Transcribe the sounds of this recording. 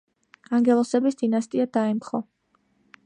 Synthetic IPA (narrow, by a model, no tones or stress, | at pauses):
aŋɡɛlˠɔsɛbisd̪̥inast̪ʼiad̪̥aɛmχɔ